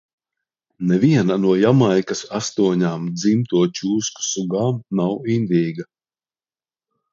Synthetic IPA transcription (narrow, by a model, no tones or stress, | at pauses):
nɛviɛnanuɔjamajkɐsast̪uɔɲaːmd̪zimt̪uɔt͡ʃuːsku̥suɡaːmnawind̪ʲiːɡa